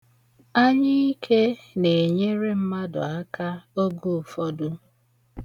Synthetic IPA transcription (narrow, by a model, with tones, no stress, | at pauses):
a˦ɲɪ˦i˦kʰe˦ne˨ɲe˦ɾe˦m̩˦ma˦dʊ̰˨a˦ka˦o˦ɡu˦˨fɔ˦dʊ˦